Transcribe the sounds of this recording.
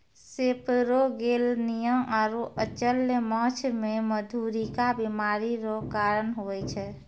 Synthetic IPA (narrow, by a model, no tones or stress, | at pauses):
sepɾoɡelnijəmaɾoʔət͡ʃəlːmə̃t͡ʃʰmeməd̪ʱuɾikabimaɾiɾokaɾənɦoɛt͡ʃʰɛ